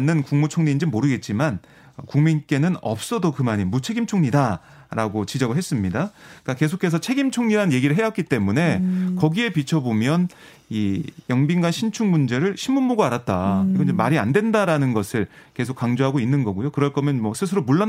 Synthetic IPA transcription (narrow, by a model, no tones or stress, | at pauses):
nːɯnkuŋmut͡ɕʰoŋɲind͡ʑimːoɾɯɡe̞t̚t͡ɕ͈iman | ʌkuŋmink͈e̞nɯnʌ̰p̚s͈ʌdokɯmaɲimut͡ɕʰe̞ɡimt͡ɕʰoŋɲida | ɾaɡot͡ɕid͡ʑʌɡɯɭɦes͈ɯmɲidak͈ake̞s̬ʰokʰe̞s̬ʰʌt͡ɕʰe̞ɡimt͡ɕʰoŋɲiɾanɯnje̞ɡiɾɯɭɦejak͈it͈e̞mune̞kʌɡie̞pit͡ɕʰʌbomjʌn | ijʌŋbinɡwanɕʰint͡ɕʰuŋmund͡ʑe̞ɾɯɭɕʰimːunmoɡoaɾat̚t͈aiɡʌnd͡ʑemaɾiandwe̞ndaɾanɯnɡʌsʰɯɭke̞sʰok͈ːaŋd͡ʑoɦaɡoinːɯnɡʌɡujokɯɾʌɭk͈ʌmjʌnmwʌsʰɯsʰɯɾomuɭːa